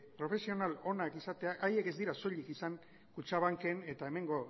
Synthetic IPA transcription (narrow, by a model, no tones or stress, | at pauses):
pɾo̞fe̞sio̞nalo̞nakisat̪e̞aʔaje̞ke̞zd̪iɾaso̞ʎikisaŋ | kut͡ʃaβ̞aŋke̞ne̞t̪ae̞me̞ŋɡo̞